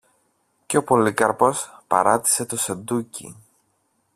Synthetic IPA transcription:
ceo̞po̞likɐɾpo̞spɐ̰ɾɐt̪i̥se̞t̪o̞send̪ucḭ

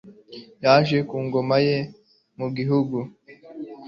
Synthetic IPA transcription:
jaːʒe̞kuːŋɡo̞maje̞ | muɡiɦuɡu

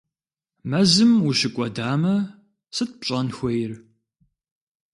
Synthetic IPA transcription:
mɐzɨmuɕɪkʷʼɔdaːmɐ | sɨt̚pɕʼɐnxʷɔjɪr

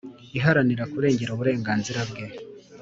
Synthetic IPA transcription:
iɦaɾaniɾakuɾe̞ːɲɟe̞ɾuβuɾe̞ːŋɡaːnziɾabɡe

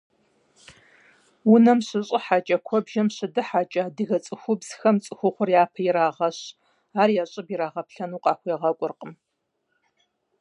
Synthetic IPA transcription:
wʊnɐmɕɪɕʼɪħaːt͡ʃʼɐkʷʰɔbʒɐmɕɪdɨħaːt͡ʃʼaːdɨɣɐt͡sʼɨxʷʊbz̥xɐmt͡sʼɨxʷʊχʷʊrjaːpʰɐjɪɾaːʁɐɕ | aːrjaːɕʼɪbjiɾaːʁɐpɬɐnuːqʼɑːxʷjeɛʁɐkʷʼʊrqʼəm

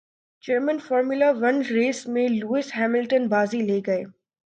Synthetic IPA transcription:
d͡ʒəɾmə̃nfɔːɾmʊlaʋɐnɾeːsmẽluːɪsɦɛːmɪlʈənbaːzileːɡɐeː

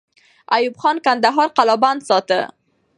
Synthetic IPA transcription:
ajubxɑnkand̪aɦɑɾqalɑband̪sɑt̪ə̰

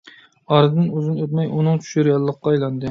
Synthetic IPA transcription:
ɑɾɨd̪ɨnyzɪnøt̪̚mɛjunɨŋt͡ʃʰy̥ʃyɾjɑlˠːəqːɑɑjlˠɑnd̪ɨ

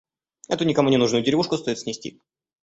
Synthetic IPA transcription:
ɛt̪ʊnʲɪkɐmunʲɪnuʐnʊjʊdʲɪɾʲɪvuʂkʊst̪o̞jɪt̪sʲnʲɪsʲtʲḭ

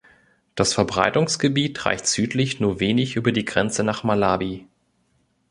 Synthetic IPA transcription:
d̥asfɛɐbʁa̰ɪtʊŋsɡ̥əbiːtʁ̥a̰ɪçtz̥yːtʰlɪçnuːɐveːnɪçʔyːbɐdiːɡʁɛnt͡sənaːχmalaːbi

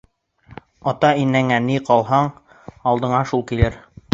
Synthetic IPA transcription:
ɑt̪ɑinːæŋæniqɑlˠɦɑɴ | ɑlˠd̪ɤ̆ɴɑʃulˠkilɘɾ

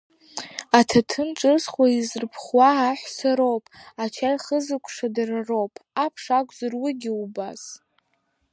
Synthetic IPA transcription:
atʰatʰɨnʈ͡ʂʼɨzχwaizrpʰχwaːħʷsaɾo̞wpʼat͡ʃʰajχəzɨkʷʰʼʂadararowpʼapʰʂakʷʼzarwɪɡʲɪubaz

